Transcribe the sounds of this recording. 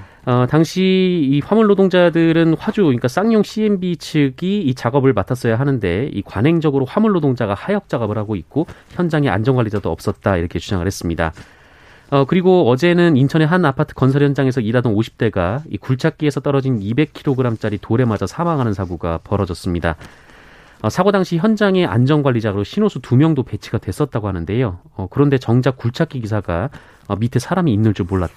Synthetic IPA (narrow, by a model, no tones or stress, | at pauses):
ʌtaŋɕʰiːɸwamuɭːodoŋd͡ʑadɯɾɯnɸwad͡ʑuɲik͈as͈aŋɲoŋɕʰie̞mbit͡ɕʰɯɡiːt͡ɕaɡʌbɯɭmatʰas͈ʌjaɦanɯnde̞ḭkwanɦe̞ŋd͡ʑʌɡɯɾoɸwamuɭːodoŋd͡ʑaɡahajʌk̚t͡ɕ͈aɡʌbɯɭhaɡoik̚k͈oçjʌnd͡ʑaŋea̰nd͡ʑʌŋɡwaɭːlːid͡ʑadoʌ̰p̚s͈ʌt̚t͈aiɾʌkʰe̞t͡ɕʰud͡ʑʰaŋɯɭhe̞s͈ɯmɲida̰ | ʌkɯɾiɡoʌd͡ʑe̞nɯnint͡ɕʰʌneɦanapʰatʰɯ̥k͈ʌnsʰʌɭjʌnd͡ʑaŋe̞sʰʌidadonoɕʰi̥p̚t͈e̞ɡaḭkuɭt͡ɕʰak͈ie̞sʰʌt͈ʌɾʌd͡ʑinibe̞kʰiɾoɡɯɾamt͡ɕ͈aɾitoɾe̞mad͡ʑasʰamaŋɦanɯnsʰaɡuɡapʌɾʌd͡ʑʌs͈ɯmɲida | ʌsʰaɡodaŋɕʰiçjʌnd͡ʑaŋe̞ʔa̰nd͡ʑʌnɡwaʎːid͡ʑaɡɯɾoɕʰinosʰutumjʌŋdope̞t͡ɕʰiɡ̥adwe̞s͈ʌt̚t͈aɡohanɯnde̞jo | ʌkɯɾʌnde̞t͡ɕʌŋd͡ʑak̚k͈uɭt͡ɕʰak͈iɡisʰaɡa | ʌmitʰe̞sʰaɾamiːnːɯɭt͡ɕ͈omːoɭːat͈̚